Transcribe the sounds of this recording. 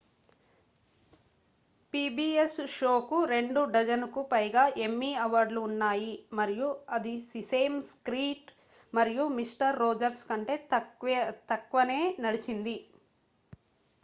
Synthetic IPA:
piːbiːesʃo̞ːkuɾe̞ɳɖuɖɐd͡ʒɐnukupɐjɡaːʔe̞mːiːɐʋaɾɖluːnːaːjimɐɾijuɐd̪isise̞ːmskɾiːʈ | mɐɾijumisʈɐɾːoːd͡ʒɐɾskɐɳʈe̞ː | t̪ɐkʋɐne̞ːnɐɽit͡ʃind̪i

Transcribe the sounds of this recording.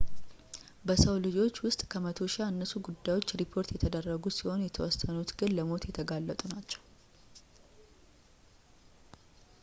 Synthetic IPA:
bəsəwlɨd͡ʒo̞t͡ʃːwʊst̪ʼkʰəmət̪ʰo̞ʃɪaɨnːəsuɡud̪ːajwo̞t͡ʃːɾipʰo̞ɾt̪jɛt̪ʰəd̪ərːəɡusiho̞njɛt̪ʰəwɔsːənut̪ɡɨnləmo̞t̪jɛt̪ʰəɡalːət̪ʼunat͡ʃːɛw

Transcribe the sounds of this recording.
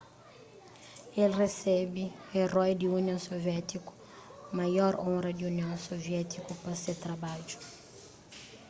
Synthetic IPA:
elresɛbɪerɔjd̪iuniõsoviɛt̪iku̥ | majɔɾõɾɐd̪iuniõw̃sovjɛt̪ʰikupɐset̪ɾabad͡ʒu̥

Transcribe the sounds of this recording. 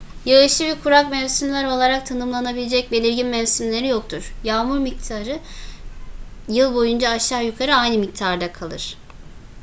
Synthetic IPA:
jaɯʃˠɯbikʰuɾak̚mɛvsynʲlʲæɾo̞lˠaɾak̚t̪ʰanɯmlˠanabilʲed͡ʒɛc̚belʲiɾɟinmɛvsinlʲe̞ɾijo̞kt̪ʰuɾ̥jaːmuɾmic̚t̪ʰaɾɯ | jɯlˠbo̞jund͡ʒaːʃaːjukʰaɾɯajnɯmic̚t̪ʰaɾd̪akʰalˠɯ̰ɾ̥

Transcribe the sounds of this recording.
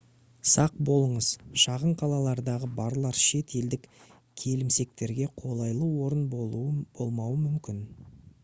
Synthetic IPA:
sɑq̚bo̞lˠəɴəz̥ʃɑʁəɴqʰɑlˠɑlˠɑɾd̪ɑʁəbɑɾlˠɑɾʃe̞t̪e̞ld̪ɪk | kʲʰe̞lɪmse̞k̚t̪e̞ɾɡʲe̞qʰo̞lˠɑjlˠəwo̞ɾənbouəb̥o̞lˠmɑwəmʏmkʲɪn

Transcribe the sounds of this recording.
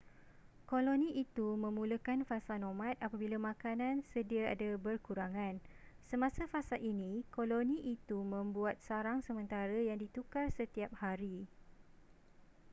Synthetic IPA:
kolonĩit̪umə̃mũləkanfasanõmãt̪̚apabilamãkanãnsədiaa̰dabərkuɾaŋãn | səmãsafasalʔinĩkolonĩʔit̪umə̃mbuat̪̚saɾaŋsəmə̃nt̪aɾajaŋdit̪ukarsət̪iap̚haɾi

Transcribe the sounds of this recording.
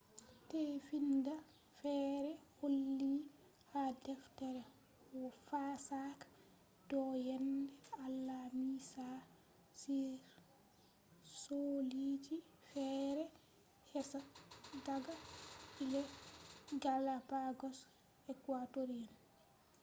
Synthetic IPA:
tefinda | fɛːɾɛholːi | hadɛftɛɾɛ | wɔfasakḁ | dɔjɛndɛalːamisa | siɾ | solid͡ʒi | fɛɾɛ | hɛsaɡaɡailɛ | ɡalapaɡɔs | ɛkwatoɾian

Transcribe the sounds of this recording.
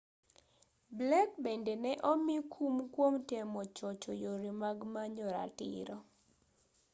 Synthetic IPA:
blɛkbendenɛʔɔmikʰumkwomtemɔt͡ʃɔt͡ʃɔjoɾimaɡmaɲɔɾa̰tɪ̰ɾɔ

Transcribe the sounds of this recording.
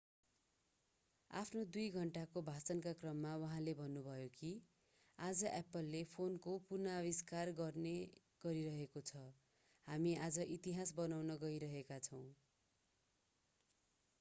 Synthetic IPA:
a̰pʰnod̪ujɡʱʌɳʈakobʱat͡sʌnkakrʌmːawʌɦãlebʱʌnːubʱʌjoki | ad͡zʌʔɛpʌlːepʰonkopurnaʌbiskarɡʌrne | ɡ̥ʌɾiɾʌɦekot͡sʰʌ | hamiad͡zʌʔit̪iɦasbʌnawnʌɡʌiɾʌɦekat͡sʰʌw̃

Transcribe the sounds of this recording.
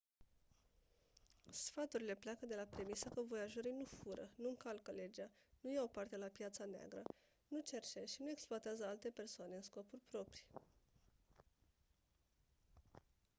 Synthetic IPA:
sfat̪uɾile̞pleakəd̪e̞lapɾe̞misəkəvo̞jaʒoɾinufuɾə̰nuɨŋkalkəle̞d͡ʒanujawopart̪e̞lapjat̪sanea̰ɡɾə̰ | nut͡ʃe̞rt͡ʃeʃinue̞ksploat̪eazəalt̪e̞pe̞rsoane̞ɨnsko̞pulʲpɾo̞pɾi̥

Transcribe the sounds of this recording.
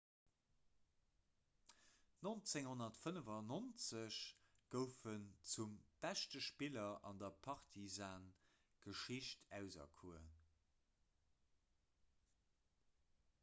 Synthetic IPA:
nont͡seŋhonɐtfənəvɑnont͡səɕɡ̥əʊfənt͡sumb̥æʃtəʃpilɐʔɑndɐpʰɑʁtʰizaːn | ɡ̥əʃiɕtʰæʊzɐ̰kʰuə

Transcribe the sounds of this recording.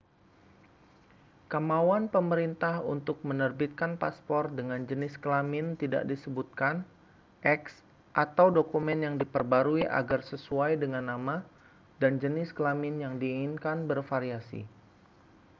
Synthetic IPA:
kamawanpəməɾint̪ahṵnt̪ʊk̚mənərbit̪̚kanpaspɔrdəŋand͡ʒənɪskəlamɪnt̪ida̰ʔdisəbut̪̚kan | ʔɛks | ʔat̪awdokumɛnjaŋdipərbaɾuiʔa̰ɡarsəsuajdəŋanːama | dand͡ʒənɪskəlamɪnjaŋdiːŋɪnkanbərfaɾiasḭ

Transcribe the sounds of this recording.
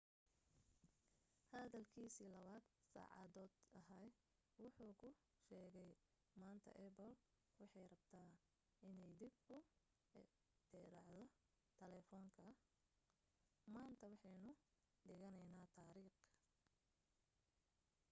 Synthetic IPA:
hɐðɐlkʰiːsiːlɐβaːd̪sa̰ːʕɑ̰ðɔːd̪ɐɦɐj | wɑħuːkʰʊ | ʃɛːɣɛj | maːnt̪ʰɐ̰ʔɛbɔl | wɑħɑjrɐbt̪ʰaː | ɪnɛjd̪ɪbkʰʊ | d̪̥ɛːɾɑʕðɔ | t̪ʰɐlɛːfɔːŋkʰɐ | maːnt̪ʰɐwɑħɑnʊ | ɖɪɣɐnɛjnaːt̪ʰaːɾiːχ

